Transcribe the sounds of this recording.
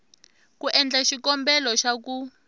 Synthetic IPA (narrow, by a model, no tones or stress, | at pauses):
kuʔɛnd͡ɮaʃikɔmbɛlɔʃaku